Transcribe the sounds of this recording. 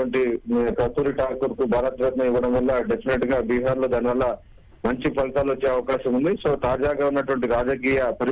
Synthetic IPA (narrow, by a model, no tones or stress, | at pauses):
ɐɳʈipɐt̪uːɾiʈaːkuɾkubʱaːɾɐt̪ɾɐt̪nɐiʋːɐɽɐmʋɐlːɐɖe̞pʰineʈɡaːbiːɦaːɾlod̪aːniʋɐlːɐ | mɐɲt͡ʃipɐlɐt̪aːluot͡ʃːeːɐʋɐkaːʃɐmund̪iso̞ːt̪aːd͡ʒaːɡaːunːɐʈuʋɐɳʈiɾaːd͡ʒɐk̬iːjɐpɐɾ